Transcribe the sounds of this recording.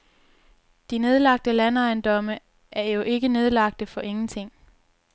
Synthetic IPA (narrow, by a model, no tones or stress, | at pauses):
d̥ine̝ð̞ˠlɑ̈ɡ̥̚d̥əlænɑ̈ɪnd̥ɒ̽mə | ʔæɐjo̝ʔe̝ɡ̥əne̝ð̞ˠlɑ̈ɡ̥̚d̥əfɒ̽ʔe̝ŋn̩t͡sʰe̝ŋ̰